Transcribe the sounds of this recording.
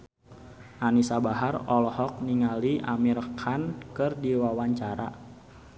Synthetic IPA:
ʔanisabaɦarɔlɔhɔk̚niŋaliʔamirkʰankɨrdiwawaɲt͡ʃaɾa̰

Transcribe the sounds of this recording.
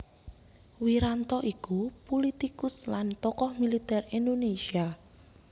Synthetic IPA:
wiɾant̪ɔʔikupulit̪ikʊslant̪ɔkɔhmilit̪ɛrindonesia

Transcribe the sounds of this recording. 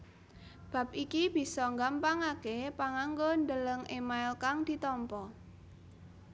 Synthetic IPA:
b̥a̤p̚ikib̥i̤sɔŋɡampaŋakepaŋaŋɡond̪ələŋʔemaɪlkaŋd̪̥i̤t̪ɔmpɔ

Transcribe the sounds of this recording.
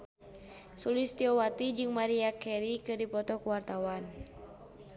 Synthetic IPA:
sulɪst̪iɔwat̪id͡ʒɨŋmaɾiakɛɾikɨrdipɔt̪ɔkuwart̪awan

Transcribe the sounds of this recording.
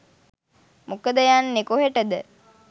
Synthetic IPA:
mukəd̪əjanːekoɦeʈəd̪ə

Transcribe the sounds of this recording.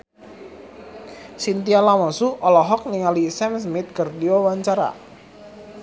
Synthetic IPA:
sint̪ialamɔsuʔɔlɔɦɔk̚niŋalisɛmsmɪt̪̚kərdiowaɲt͡ʃaɾa̰

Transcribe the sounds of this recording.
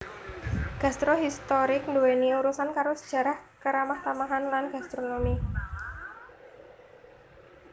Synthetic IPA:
ɡ̥a̤st̪ɾoɦist̪oɾɪk̚nduweniuɾusankaɾosə̥d̥ʒ̥a̤ɾahkəɾamaht̪amaɦanlanɡ̥ast̪ɾonomi

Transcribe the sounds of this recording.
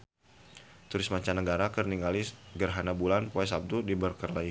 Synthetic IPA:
t̪uɾɪsmaɲt͡ʃanəɡaɾakərniŋalɪsɡərɦanabulanpuɛsab̚dudibərkərlai

